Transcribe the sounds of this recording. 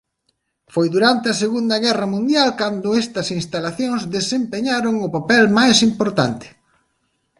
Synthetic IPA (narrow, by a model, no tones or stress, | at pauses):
fojðuɾant̪ɪɐseɣund̪ɐɣɛrɐmũnd̪jalkand̪ʊɛst̪ɐsinst̪alaθjoŋzðesempeɲaɾoŋʊpapɛlmajsimpoɾt̪a̰nt̪ɪ̥